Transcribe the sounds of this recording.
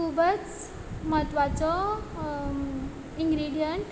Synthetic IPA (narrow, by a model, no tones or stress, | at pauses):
ubət͡s | məɦət̪ʋat͡sɔ | iŋɡɾiɖijəɳʈ